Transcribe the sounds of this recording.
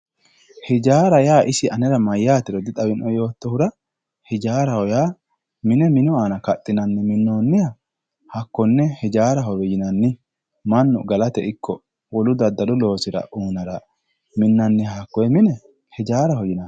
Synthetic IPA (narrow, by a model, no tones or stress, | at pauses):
hɪd͡ʒaːɾɐjaːʔɪsɪɐnɛɾɐmɐjːaːt̪ːɪɾɔd̪ɪt̪ʼɐwɪnʔɔjo̞ːt̪ːɔhʊɾɐ | hɪd͡ʒaːɾɐhɔjaː | mɪnɛmɪnɔaːnɐkɐt̪ʼːɪnɐnːɛmɪnːoːnːɪjɐ | hɐkːɔnːɛhɛd͡ʒaːɾɐɦɔɾɔjɪnɐnːɪ | mɐnːʊ̰ɡɐlɐt̪ɛɪkːɔ | wɔlʊd̪ɐd̪ːɐlʊlo̞ːsɪɾɐ̰ʔuːnɐɾɐ | mɪnːɐnːɪɐkːɔjɛmɪnɛ | hɛd͡ʒaːɾɐhɔjɪnɐn